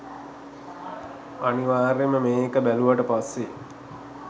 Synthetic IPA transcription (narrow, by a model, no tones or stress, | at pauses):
aniʋaːɾeməmeːkəbæluʋaʈəpasːe